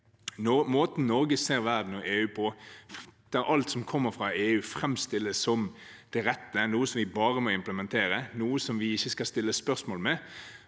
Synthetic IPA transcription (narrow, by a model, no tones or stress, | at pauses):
moːt̪n̩nɔɾɡəseːɾʋæʁd̪n̩ɔʔeːʉːpʰɔ | d̪̥ɛɾʔɑlt̪sɔmkʰɔmːəɾfʁɑeːʉːfʁɛmst̪ɪlːəsːɔm | d̪̥ɛɾɛt̪ːənuːəsɔmʋɪbɑːɾəmɔɪmpləmɛnt̪ʰeːɾənuːəsɔmʋɪɪçəskɑst̪ɪlːəspœʁsmoːlmɛ